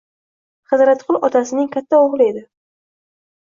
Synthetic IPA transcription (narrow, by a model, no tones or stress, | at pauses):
χɨzɾat̪qʰʊlˠɒt̪ʰasɪnɪŋkʲʰat̪ʰːaoʁlˠɪe̞d̪ɪ